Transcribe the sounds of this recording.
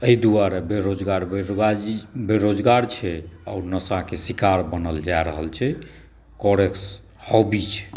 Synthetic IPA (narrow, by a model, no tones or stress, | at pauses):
əid̪uaɾebeɾod͡ʒɡaɾbeɡabeɾod͡ʒɡaɾt͡ʃʰɛɔʊɾnəsãkesikaɾbənəld͡ʒaɾəɦəlt͡ʃʰɛ | kɔɾeks | hɔbit͡ʃʰ